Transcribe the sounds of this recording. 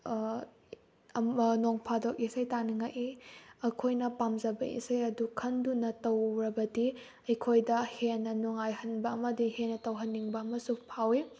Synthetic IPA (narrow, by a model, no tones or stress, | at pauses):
noŋpʰadok̚isɐjtaniŋaʔʔiɐkʰojnɐpamzɐbɐḭsɐjɐdukʰɐndunɐtɐwɾɐbɐdi | ɐjkʰojdɐhenːɐnuŋajhɐnbɐɐmɐdihenːɐtɐwɦɐnːiŋbɐɐmɐsupʰawi